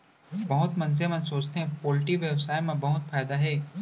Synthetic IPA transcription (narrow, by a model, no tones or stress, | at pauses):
bɐɦʊt̪mɐ̃nzemɐ̃nsoːt͡ʃt̪ʰeɛ̃poːlʈiʋjɐʋsaːɪmãbɐɦʊt̪faːɪd̪aɦeː